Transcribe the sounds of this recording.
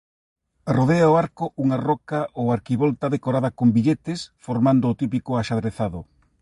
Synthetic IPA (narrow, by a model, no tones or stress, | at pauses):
roðeaoaɾkoʔuŋarɔkaʔowaɾkiβolt̪aðekoɾaðɐkombiʎet̪ɪsfoɾmand̪ʊːt̪ipikʊaʃaðɾeθaðʊ